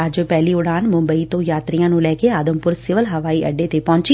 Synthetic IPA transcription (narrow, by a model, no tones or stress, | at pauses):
əd͡ʒpɛːliːʊɽaːnmʊ̃mbəiːt̪õːjaːt̪ɾijãːnũːlɛːkeaːd̪əmpʊɾsɪʋəlɦəʋaːiːʔə̰ɖːeːt̪eːpɔ̃ːɲt͡ʃi